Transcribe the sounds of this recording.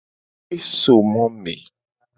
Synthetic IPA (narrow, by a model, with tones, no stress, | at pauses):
e˦so˨mɔ̃˦mḛ˨